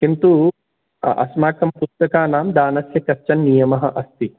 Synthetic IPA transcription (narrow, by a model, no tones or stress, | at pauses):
kint̪u | ɐ̰smaːkɐmpust̪ɐkaːnaːmd̪aːnɐsjɐkɐt͡ʃɐnːijɐmɐɦɐ̆ʔɐst̪i